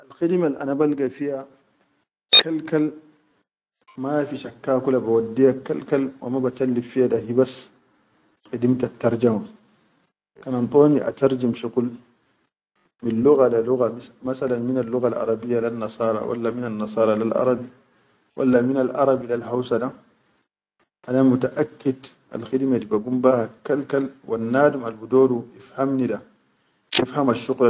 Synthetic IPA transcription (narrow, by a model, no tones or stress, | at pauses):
ʔalxidimalʔa̰nabalɡafija | kalkal | mafiʃakːaːkulabawadːijakːalkalwa̰mabat̪alːibfijadaɦibas | xidimtat̪ːaɾˤd͡ʒama | kanant̪ʼˤoːniʔa̰t̪aɾd͡ʒimʃuqul | minlːuɣadaluɣamasalanminalːuɣalʔɑ̰ɾˤɑbijːalanːɑsˤɑːɾˤɑ̰wa̰lːaminanːɑsˤɑːɾˤɑlalʔɑ̰ɾˤɑbi | wʔa̰lːaminalʔɑɾˤɑbilalhawsada | ʔadamutaʔakːidʔa̰lxidmadibaɡumbahakːalkalwʔanːaːdumalbudoːduʔifhamnida | ifhamaʃːuql